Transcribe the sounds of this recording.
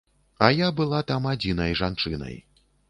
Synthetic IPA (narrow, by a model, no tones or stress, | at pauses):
ɐjabɨlˠat̪amad͡zʲinɐjʐant͡ʂɨnɐ̰j